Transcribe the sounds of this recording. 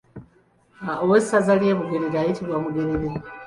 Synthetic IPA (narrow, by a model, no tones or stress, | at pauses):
owessazalje̞ːβuɡeɾeɾeaːjitiβwamuɡeɾeɾe